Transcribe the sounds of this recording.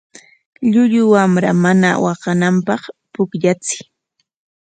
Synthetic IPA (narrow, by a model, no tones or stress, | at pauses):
ʎʊʎʊwamɾamanawɑɢɑnampɑχpʊkʎat͡sɪ̥